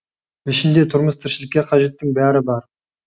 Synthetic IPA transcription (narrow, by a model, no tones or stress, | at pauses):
ɪʃɪnd̪e̞t̪ʰʊɾməst̪ʰɪɾʃɪlɪkʲːe̞qʰɑʒe̞t̪ːɪŋbæɾɪbɑɾ